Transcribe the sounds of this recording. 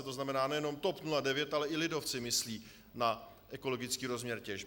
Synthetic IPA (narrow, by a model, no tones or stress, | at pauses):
ɛt̪o̞znamɛnaːnɛjɛno̞mt̪o̞pnuladɛvjɛt̪ʔalɛʔɪlɪdo̞ft͡sɪmɪsliː | na | ʔɛko̞lo̞ɡɪt͡skiːɾo̞zmɲɛɾcɛʒ